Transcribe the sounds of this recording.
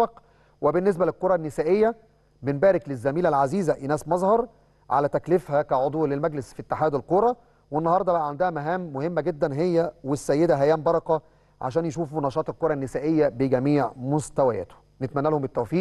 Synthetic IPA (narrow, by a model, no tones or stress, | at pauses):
ɑq | webenːes̬bælelqoɾˤɑnːɪsæːʔejːæ | benbæːɾɪklezːæmiːlælʕaziːzæʔenæːsmɑzˤhɑɾˤ | ʕa̰læt̪æklɪfhækæʕod̪ˤuːlelmæɡlesfit̪ːeħaːd̪ælqoɾˤɑ | wenːɑhɑɾˤd̪ˤɑbæʔʕand̪æhæmæɦæːmːohemːæɡed̪ːænɦejːæwesːæjːed̪æɦæjæːmbɑɾˤɑqɑ | ʕa̰ʃæːnjeʃuːfunɑʃɑːt̪elkoɾˤɑnːɪsæːʔejːæbɪɡæmiːʕmost̪æwæjæ̰ːt̪o̥ | net̪mænːælhombet̪ːæwfiːʔ